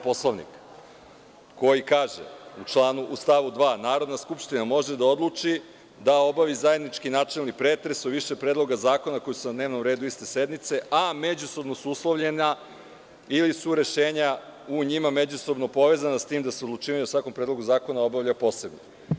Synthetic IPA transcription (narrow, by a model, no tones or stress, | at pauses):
po̞slˠaʋnḭk | o̞jikaːʒḛut͡ʃlˠaːnuʔust̪aʋud̪ʋaːnaːɾo̞d̪naskupʃt̪inamo̞ʒe̞d̪ao̞d̪lˠut͡ʃi | d̪ao̞baʋizaje̞d̪nit͡ʃkinaːt͡ʃelˠnipɾeːt̪ɾesuʋiʃepɾeːd̪lˠo̞ɡazaːko̞nako̞jusunad̪ne̞ːʋno̞mɾeːd̪uist̪e̞se̞d̪nit̪se̞ʔame̞d͡ʑuso̞bno̞suuslˠoʋʎe̞na | ilisuɾe̞ʃeːɲa | uɲimame̞d͡ʑuso̞bno̞po̞ʋe̞zanast̪iːmd̪aseod̪lˠut͡ʃiːʋaɲeosʋako̞mpɾed̪lˠoɡuzaːko̞nao̞baʋʎapo̞ːse̞bno̰